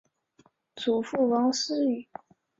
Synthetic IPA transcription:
t͡sʰu˨˩fu˥˩wɑ˧˥ŋs̩˥y˨˩˦

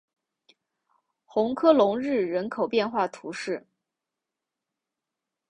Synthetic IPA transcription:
xʊ˧˥ŋkʰɤ˥lʊ˧˥ŋɻɻ̩˥˩ɻə˧˥nkʰo˨˩ʊpjɛ˥˧nxwa˥˩t̪ʰu˧˥ʂɻ̩˥˩

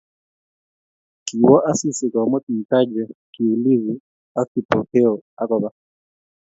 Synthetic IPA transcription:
ki˨wɔ˦ʔa˦si˦si˨kɔ˨mɔ˦tm̩˨ta˦d͡ʒɛ˨ki˨u˨li˦zi˨ | a˦ki˨pʰɔ˨kʰɛ˦ɔ˨a˦kɔ˨ba˨

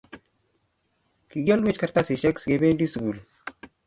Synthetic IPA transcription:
ki˨ɡɔ˦lwe˦t͡ʃka˨ɾta˦si˨ʃɛ˦ksɡe˨be˦di˦su˨ɡu˨l

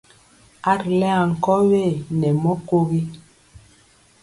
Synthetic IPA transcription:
a˦ɾlɛ˦a˨ŋ̩˨kɔ˦we˦˨nɛ˨mɔ˦ko˦ɣi˦

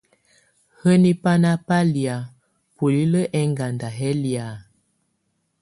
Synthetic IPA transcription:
hə˦ni˦pa˦na˦pa˦li˨a˨ | pu˨li˦lə˦ʔɛ˦ŋɡa˨nda˨ɦɛ˦li˨a˨

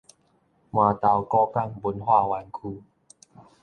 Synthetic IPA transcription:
maː˧t̪a˨˧wkɔː˥˧˩ka˥˨ŋbo˨˦nɦwaː˥˩wa˧nkʰuː˧˩

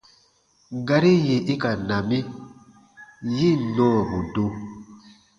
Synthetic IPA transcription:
ɡa˨ɾi˦je˨ʔi˦ka˨nã˨mi˦ | ji˦˨nɔ̃ː˦˨bu˨do˦

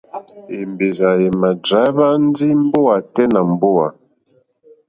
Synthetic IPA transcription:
e˨mbe˨za˨jɛ˨ma˨d͡ʒa˨˦ba˦n˦d͡zi˦m˦bo˦a˨tɛ˦na˨m˦bo˦wa˨

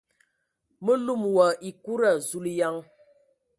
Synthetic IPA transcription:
mə˦lu˦˨mwa˨ʔi˨ku˦ɾa˨zu˦˨lja˦ŋ

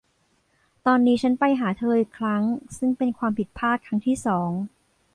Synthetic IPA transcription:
t̪ɔː˧nːiː˦˥t͡ɕʰa˦˥npa˧jɦaː˩˦t̪ʰɤː˧ʔi˨˩kʰɾa˦˥ŋsɯ˥˩ŋpe˧nkʰwaː˧mpʰi˨˩t̪̚pʰaː˥˩t̪̚kʰɾa˦˥ŋt̪ʰiː˥˩sɔː˩˦ŋ

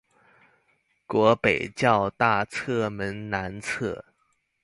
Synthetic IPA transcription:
kwɔ˧˥pe˨˩ɪt͡ɕjɑ˥˧ʊt̪a˥˩t͡sʰɤ˥˩mə˧˥nna˧˥nt͡sʰɤ˥˩

